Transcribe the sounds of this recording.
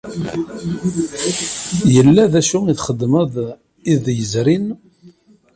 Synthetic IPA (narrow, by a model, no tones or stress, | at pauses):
jəlːæðæʃuiθχəd̪ːməð | iðjəzɾin